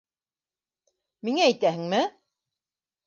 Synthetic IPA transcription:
miŋææjt̪æɦɘ̆ŋmɘ

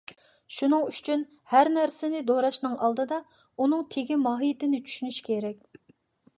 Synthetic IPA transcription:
ʃunɨŋyt͡ʃʰyn | hæɾnæɾsɪnɪd̪oɾɑʃnɨŋʔɑlˠd̪ɨd̪ɑ | unɨŋt̪ʰeɡʲimɑːɦijt̪ɪnɪt͡ʃʰy̥ʃynyʃkʲʰeɾɛk̚ʲ

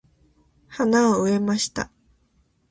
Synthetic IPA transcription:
hanaoɯe̞maɕi̥t̪a̰

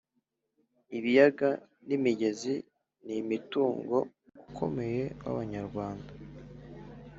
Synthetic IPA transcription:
iβijaɡa | nimiɟe̞zi | nimituːŋɡo̞ | ukʰo̞̰me̞je̞βa̰βaɲaɾɡwaːnda

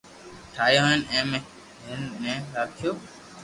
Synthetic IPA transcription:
ʈʰaːjoːɦənẽːmẽː | ɦɪnnẽːɾaːkʰɪjoː

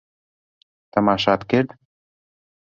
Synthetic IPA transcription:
t̪ə̆mɑʃɑt̪keɾt̪

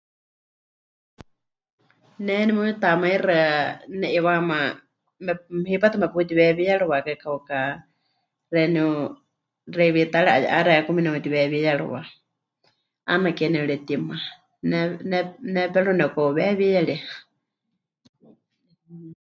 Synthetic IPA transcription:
nɛnimuit̪amaiɾɨnɛʔiβama | mɛhipat̪ʰamɛpuit̪iβɛβijaɺuβakakʰauka | rɛniu | rɛβit̪aɺɛʔa̰ja̰ʔaɾɛkuminɛut̪iβɛβijaɺṵwa | anakɛnɛuɺɛt̪ima | nnnɛpɛɺunɛkɔβɛβijaɺi

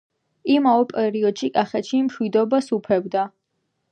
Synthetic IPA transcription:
imaɛpʼɛɾiɔd̪̥ʃikʼaχɛt̪ʃimʃwid̪ɔbasupʰɛbd̪a

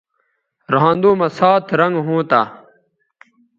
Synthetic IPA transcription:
ɾɐɦãːnd̪uːmɐsaːt̪ʰɾɐŋɡɦũːt̪a̰ː

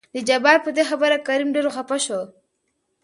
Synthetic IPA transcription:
d̪əd͡ʒabɑɾpəd̪exabəɾakaɾimɖeɾoxapaʃo

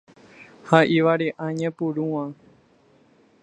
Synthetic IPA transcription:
haʔiʋaɾeʔãɲẽpuɾũwã

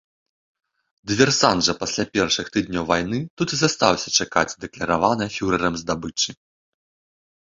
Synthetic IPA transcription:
d̪vʲɛrsanʐɐpasʲlʲapʲɛrʂɨxt̪ɨd̪̚ʲnʲɔwvajnɨt̪ut̪ɨzast̪awsʲɐ̥t͡ʂaka̰d͡zʲd̪ɛklʲɐɾavanɨfʲuɾɐɾɐmzd̪abɨt͡ʂɨ

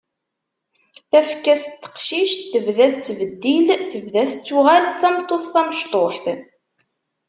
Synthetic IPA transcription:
θæfkːæst̪ːə̥qʃiʃt̪ːəvðæθt͡sːvəd̪ːilθəvðæθt͡sːʊʁælt͡sːɑmt̪ˤːoθθæməʃt̪ˤoħθ

